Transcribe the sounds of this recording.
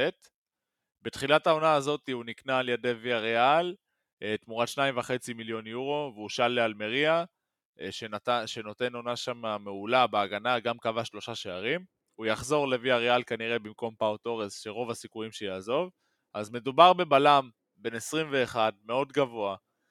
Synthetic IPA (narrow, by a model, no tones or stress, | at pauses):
et | betχilatao̞naːzo̞tiuniknaːljede̞viaʁeal | t̪muʁatʃnaimvaχe̞t͡similjo̞njuʁo̞veuʃalːealme̞ʁia | ʃentaʃe̞no̞te̞no̞naʃamame̞ulabeaɡanaɡamkavaʃlo̞ʃaʃeaʁim | ujaχzo̞ʁle̞viaʁealkaniʁe̞bimko̞mpawoto̞ʁesʃeʁo̞vasikujimʃejaːzo̞v | ʔazme̞dubaʁbe̞balam | be̞nesʁimve̞ːχadme̞o̞dɡavo̞a